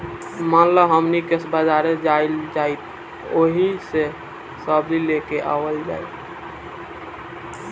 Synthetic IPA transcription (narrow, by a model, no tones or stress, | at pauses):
mənləɦəmnikesbəd͡ʒaɾed͡ʒaild͡ʒait̪̚ | oɦise | səbdilekeʔa̰ʋəld͡ʒa̰it̪